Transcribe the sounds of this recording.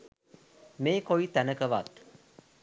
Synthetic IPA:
meːkoit̪ænəkɐʋat̪

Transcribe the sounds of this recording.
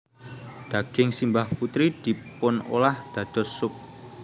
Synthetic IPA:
d̪̥ä̤ɡ̥ɪŋsimbahput̪ɾid̪̥i̤pʊno̰lahd̪̥ä̤d̪̥ɔ̤ssʊp̚

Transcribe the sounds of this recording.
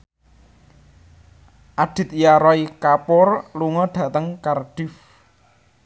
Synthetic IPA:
ʔaɖ̥ɪ̤t̪jaɾɔikapɔrluŋɔɖ̥ä̤t̪əŋkarɖ̥ɪf

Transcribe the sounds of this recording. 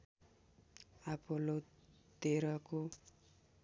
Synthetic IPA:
apolot̪eɾʌko

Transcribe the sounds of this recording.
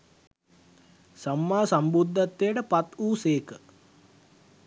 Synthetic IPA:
samːaːsambud̪ʱːat̪ːejəʈəpat̪uːseːkə

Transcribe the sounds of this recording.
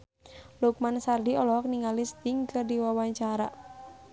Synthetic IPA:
luk̚mansardiɔlɔk̚niŋalist̪iŋkɨrdiwawaɲt͡ʃaɾa̰

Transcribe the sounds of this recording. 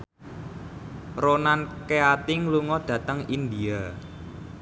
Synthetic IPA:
ronankeat̪ɪŋluŋɔɖ̪̥ä̤t̪əŋind̪ia

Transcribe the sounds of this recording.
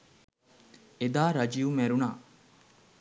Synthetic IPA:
ed̪aːɾɐd͡ʒijumeɾunaː

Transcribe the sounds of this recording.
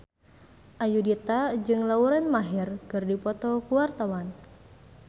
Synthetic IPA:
ʔajudit̪ad͡ʒɨŋlauɾɛnmaɦirkɨrdipɔt̪ɔkuwart̪awan

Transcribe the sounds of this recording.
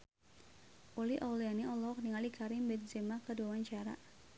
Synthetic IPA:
ʔoliʔɔlianiɔlɔk̚niŋalikʰaɾimbɛt̪zɛmakəduawaɲt͡ʃaɾa̰

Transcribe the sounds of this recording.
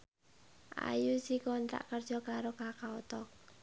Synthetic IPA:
ʔa̰jusikɔnt̪a̰ʔkərd̥ʒ̥ɔ̤kaɾokakaot̪ɔk̚

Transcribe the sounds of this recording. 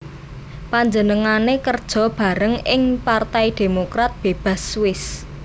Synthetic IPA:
paɲd͡ʒənəŋanekərd̥ʒ̥ɔ̤b̥a̤ɾəŋɪŋpart̪ajid̪̥e̤mokɾat̪̚b̥eb̥a̤swɪs

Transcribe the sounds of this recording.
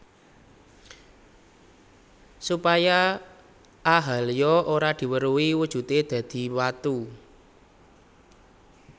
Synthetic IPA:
supaja | aɦa̤ljɔʔoɾad̪̥i̤wəɾuwiwud̥ʒ̥ṳt̪ed̪̥ä̤d̪̥i̤wat̪u

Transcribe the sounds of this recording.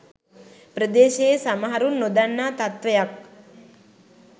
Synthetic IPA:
prəd̪eːʃejesamaɦaɾunːod̪anːaːt̪at̪ʋejak̚

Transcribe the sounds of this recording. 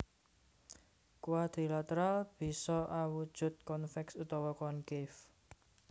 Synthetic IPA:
kuwad̪̥i̤lat̪əɾalb̥i̤sɔʔawud̥ʒ̥ʊ̤t̪̚kɔnfɛksut̪ɔwɔkɔnkɪf

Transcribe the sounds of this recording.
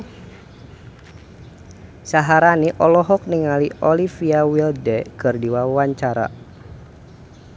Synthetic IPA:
saɦaɾaniʔɔlɔɦɔk̚niŋaliɔlifiawildɛkɨrdiwawaɲt͡ʃaɾa̰

